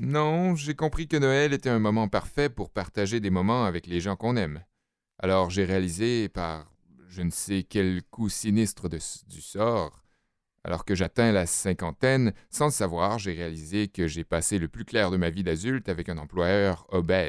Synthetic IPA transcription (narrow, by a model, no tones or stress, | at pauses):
nɔ̃ʒekɔ̃pχikənɔɛlet̪ɛɛ̃mɔmɑ̃paʁfɛpuʁpaʁt̪aʒed̪emɔmɑ̃avɛkleʒɑ̃kɔ̃nɛm | a̰lɔʁʒeʁealizepaʁ | ʒənsekʲɛlkʰusinist̪χəd̪əd̪ysɔːʁ | a̰lɔ̰ʁkəʒat̪ɛ̃lasɛ̃kɑ̃t̪ɛnsɑ̃əsavwaʁʒeʁealizekəʒepaseləplyklɛʁd̪əmavid̪azylt̪avɛkɛ̃nɑ̃plwajœːʁɔbɛː